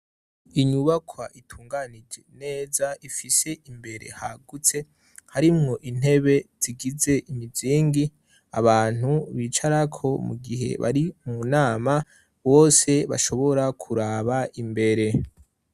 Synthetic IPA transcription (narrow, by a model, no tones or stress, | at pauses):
iɲuβakʰwaʔitʰuːŋɡanid͡ʒe̞ne̞ːzaifise̞ʔimbe̞ɾe̞̰haɡut͡se̞ | haɾimŋo̞ʔin̥he̞βe̞z̥iɡize̞ʔimiziːŋɡi | aβaːn̥uβit͡ʃaɾakʰo̞mṵɡiɦe̞̰βa̰ɾimunaːma | βo̞ːse̞βa̰ʃo̞βo̞ɾakʰuɾaβaimbe̞ɾe̞